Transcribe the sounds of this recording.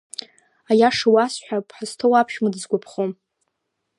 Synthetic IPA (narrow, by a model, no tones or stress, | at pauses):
ajaʂawasħʷᶣapʰħastʰowapʰʃmɨdɨzɡʷapʰχom